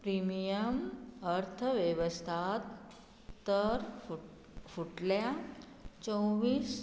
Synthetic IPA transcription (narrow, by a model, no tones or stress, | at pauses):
pɾimijəməɾt̪ʰəʋjeʋəst̪ʰat̪ː | əɾ | fuʈlja | t͡ɕə̃wʋiːs